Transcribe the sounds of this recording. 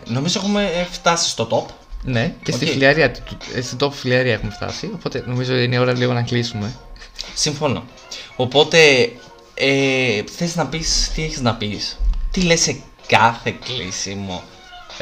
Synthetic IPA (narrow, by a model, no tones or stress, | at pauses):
no̞mizoexumeft̪ɐsi̥st̪o̞t̪o̞p | ne̞cet̪ifiliɐɾiɐt̪ust̪id̪o̞pfiliɐɾiɐe̞xumeft̪ɐ̰sio̞po̞t̪e̞no̞mizoot̪iineo̞ɾɐliɣonɐklisume̞siɱfo̞no̰ | opo̞t̪e̞ | eθeiznɐpist̪ieçiznɐpist̪ilese | kɐθe̞klisimo̰